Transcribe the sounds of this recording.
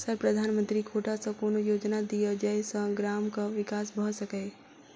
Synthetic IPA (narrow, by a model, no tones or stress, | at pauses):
səɾpɾəd̪ʱaːnmə̃nt̪ɾikʰoːʈasɐ̃koːnojoːd͡ʒnad̪ijəd͡ʒəjsə̃ɡɾaːmkaʋɪkaːsbʱəɦsəkəe